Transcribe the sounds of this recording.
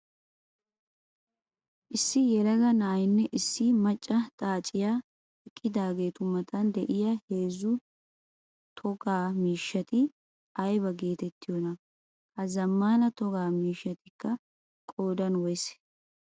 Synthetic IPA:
ʔɪsːɪjɛlɐɡɐnaːjɪnːɛʔɪsːɪmɐt͡ʃʼːɐt̪ʼaːt͡ʃʼːɪjaː | ɛkʼːɪd̪aːɡe̞ːt̪ʊmɐt̪ʰɐnd̪ɛʔɪjahe̞ːzːʊ | t̪ʰɔɡaːmiːʃːɐt̪ɪ | ɐjbɐɡe̞ːt̪ɛt̪ːɪjɔnɐ | kɐzɐmːaːnɐt̪ɔɡaːmiːʃːɐt̪ɪkːɐ | kʼoːd̪ɐnwɔjs

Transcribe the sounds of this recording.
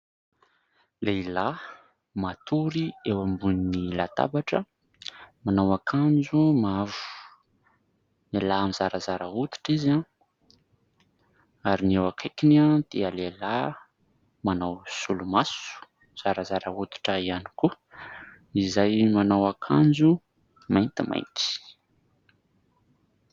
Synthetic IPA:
leila | mat̪ʰuɾiewambuninilat̪a̰baʈ͡ʂə | manawakʰand͡ʒumavu̥u̥ | nelaamizaɾazaɾaɦut̪i̥ʈ͡ʂiza | aɾiniewakʰekinad̪̥ealela | manawsulumasu̥ | z̥aɾazaɾaut̪i̥ʈ͡ʂəiani̥ku | izajmanawakʰand͡zu | majnt̪ima̰jnt̪i̥

